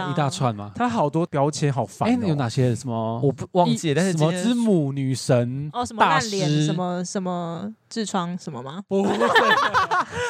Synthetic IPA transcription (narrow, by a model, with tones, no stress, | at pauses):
i˧t̪a˥˧t͡sʰwa˥˨nma̰˨˩t̪ʰa˥˦ɦɑ˨˩ʊt̪wɔ˥pjɑ˧ʊt͡ɕʰjɛ˧˥nɦɑ˨˩ʊfa̰˨˥jo˨˦ʊna˨˩ɕjɛ˦sə˨˩mə˨wɔ˨˩˨wɑ˥˧ŋt͡ɕjɛ˥˨t̪sə˨mə˨t͡sɹ̩˦mu˨˩ny˨˩ʂə˨˦nɔ˧˨sə˨˧mt̪a˥˧˨nljɛ˧˦˥ə˧mə˦˧ʂə˨˦nmə˦t͡s̩˥˧t͡sʰwɑ˥ŋʂə˨nmə˧ma˨pu˧